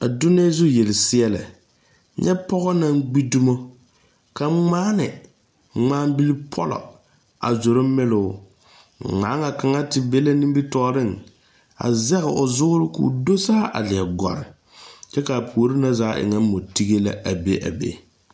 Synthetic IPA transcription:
a˨du˦nɪ˦a˦zu˦jɛ˨lɪ˨sɪ˦ɛ˦la̰˨ | ɲʔɛ˦pɔ˦ɣɔ˦na˦ŋɡ͡bi˦du˦mo˦ | ka˨˦ŋ͡maː˦nɪ˨ | ŋ͡maː˦m˦bi˦lɪ˦pʰɔ˦lɔ̰˨ | a̰˨zo˨ɾʊ˦mɪ˦lʊ˨˦˨ | ŋ͡maː˨˦ŋa˨ka˨ŋa˦tɪ˨be˦la˦ni˦m˦bi˦tɔː˦ɾɪ˦˨ŋ | a̰˨zɛ˦ɣɪ˨ʔo˨zʊ˦ɡʊ˦ɾɪ˦kṵ˨do˦saː˦ʔa̰˨lɪ˨ɛ˨ɡɔ̰˨ɾɪ˨ | t͡ʃɛ˦ka˨pʰu˨o˨˦ɾi˦na˦zaː˦ʔɪ̰˨ŋa˦m˦mo˨ti˦ɡe˦la̰˨a˨be˦ʔa̰˨bḛ˦

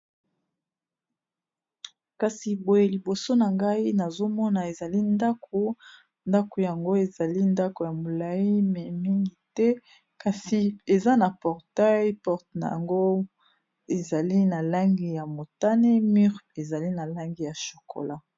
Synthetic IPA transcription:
ka˨si˨bo˨je˨li˨bo˨so˦na˨ŋɡa˦i˦na˨zo˦mɔ˦na˨e˨za˨li˦nda˦kʰo˨ | nda˦ko˨ja˨ŋɡo˦e˨za˨li˦nda˦ko˨ja˨mo˨la˨ji˦m˨mi˦ŋɡi˨tɛ˦ | ka˨si˨e˨za˦na˨pɔ˨ʁta˦jpɔ˦ʁtna˨ŋɡo˦ | e˨za˨li˦na˨la˦ŋɡi˨ja˨mo˨ta˦ne˦my˦ʁe˨za˨li˦na˨la˦ŋɡi˨ja˨ʃo̥˨kʰo̰˨la˦

